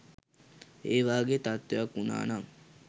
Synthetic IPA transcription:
eːʋaːɡet̪at̪wejakːuna̰ːnaŋ

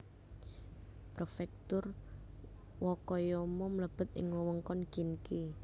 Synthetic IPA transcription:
pɾofɛk̚t̪ʊr | wɔkɔjɔmɔmələb̥ə̤t̪̚ʔɪ̰ŋwɔwəŋkɔnkinke

